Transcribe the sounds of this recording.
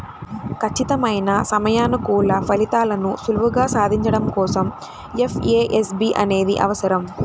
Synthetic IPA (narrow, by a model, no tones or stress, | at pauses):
kʰɐt͡ʃːit̪ɐmɐjnɐsɐmɐjaːnɐkuːlɐpɐlit̪aːlɐnusuluʋuɡaːsaːd̪ʱiɲt͡ʃɐɽɐmkɔːsɐm | efeːʔesbiːʔɐne̞ːd̪ḭʔɐ̰ʋɐsɐɾɐm